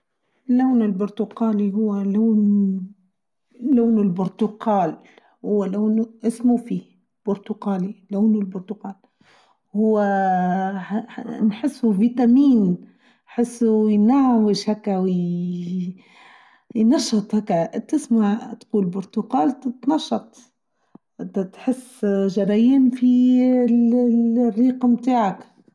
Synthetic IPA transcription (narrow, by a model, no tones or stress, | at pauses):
lːawnɪlbʊɾt̪ʊqaːliɦʊwːalaːn | laːnɪlbʊɾt̪ʊqaːl | hʊwːalaːnʔɪsmufi | b̥ʊɾt̪ʊqaːlilaːnɪlbʊɾt̪ʊqaːl | hʊwːa | nħɪsːuviːt̪amiːn | ħɪsːujnaʕwɪʃhækːawj | jnɑʃːɑt̪ˤhakːaʔt̪ːɪsmaʕt̪quːlbʊɾt̪ʊqaːlt̪nɑʃːɑt̪ˤ | ʔt̪at̪ħɪsːʒɑɾˤɑjɪnfi | rːiːqmt̪aːʕak